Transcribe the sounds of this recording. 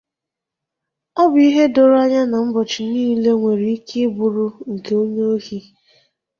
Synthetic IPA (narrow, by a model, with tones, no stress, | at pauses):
ɔ˦bʊ˦i˦ɦe˦dʊ˨ɾa˦ɲa˦na˨m̩˦bɔ˨t͡ʃi˨niː˦le˦ŋʷe˨ɾi˨˦i˦ke˦bʊ˨ɾʊ˦ŋ̩˨ke˨o˦ɲe˦o˦hi˦